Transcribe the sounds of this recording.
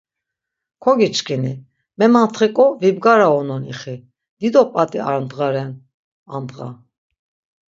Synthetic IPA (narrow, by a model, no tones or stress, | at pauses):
kʰɔɡit͡ʃkʰini | mɛmant̪ʰχikʼɔvibɡaɾaɔnɔniχi | d̪̥id̪ɔpʼat̪ʼia̰ɾnd̪ʁaɾɛn | a̰nd̪ʁa̰